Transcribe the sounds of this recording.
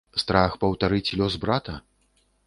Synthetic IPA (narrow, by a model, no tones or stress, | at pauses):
st̪ɾaxpɐwt̪aɾɨt͡sʲlʲɔzbɾat̪ɐ